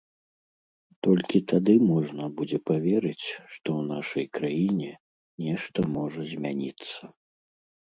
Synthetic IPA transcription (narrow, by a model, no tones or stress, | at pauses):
t̪ɔlʲkʲit̪ad̪ɨmɔʐnɐbud͡zʲɛpavʲɛɾɨt͡sʲʂt̪ɔwnaʂɐjkɾajinʲɛ | nʲɛʂt̪ɐmɔʐɐzʲmʲanʲit̪sːɐ